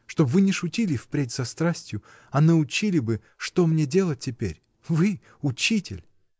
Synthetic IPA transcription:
ʂt̪o̞bvɨnʲɪʂʊtʲilʲɪfpɾʲetʲz̥ɐst̪ɾasʲtʲjʊ | ɐnəʊt͡ɕilʲɪbɨ | ʂt̪o̞mnʲedʲe̞lˠət̚ʲtʲːɪpʲeɾʲ | vɨ | ʊt͡ɕitʲɪ̰lʲ

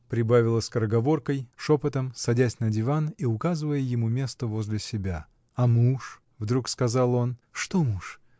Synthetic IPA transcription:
pɾʲɪbavʲɪlˠəsʲkəɾəɡɐvo̞rkəjʂo̞pət̪əmsɐdʲæsʲnədʲɪvaniʊkazɨvəjəjɪmumʲe̞st̪əvo̞zʲlʲɪsʲɪbʲa | ɐmuʂ | vd̪ɾukskɐzalˠo̞nʂt̪omuʂ

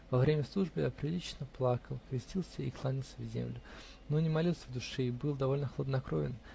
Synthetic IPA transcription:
vɐvɾʲemʲəslˠuʐbɨja̰pɾʲɪlʲit͡ɕɪnəplˠakəlˠkvʲɪsʲtʲilˠsʲəiklˠanʲɪlˠsʲəvzʲḛmlʲʊ | nonʲɪmɐlʲilˠsʲəvd̪ʊʂɛibɨlˠd̪ɐvo̞lʲnəxəlˠəd̪nɐkɾo̞vʲɪ̰n

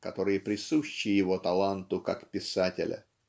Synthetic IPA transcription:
kɐt̪o̞ɾɨjəpɾʲɪsuɕːɪjjɪvo̞t̪ɐlˠant̪ʊkakpʲɪsatʲɪ̰lʲʔə̰

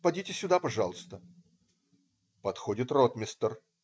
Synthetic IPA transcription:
pɐdʲitʲɪsʲːʊd̪apɐʐɑlˠəst̪ə | pɐt̪xodʲɪt̪rot̪mʲɪst̪ər

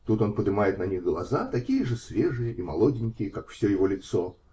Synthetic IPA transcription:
t̪ut̪o̞npəd̪ɨmajɪt̪nɐnʲiɣɡlˠɐzat̪ɐkʲijəʐɨsʲvʲeʐɨjəʔimɐlˠodʲɪnʲkʲɪjəkakfsʲojɪvolʲɪt̪sɔ

